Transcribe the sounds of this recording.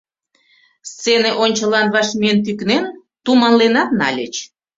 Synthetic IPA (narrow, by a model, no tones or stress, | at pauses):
st͡seneʔonʲt͡ɕəlɑnβɑʃmient̪̬yknen | t̪umɑnlenɑt̪nɑ̰lʲet͡ɕ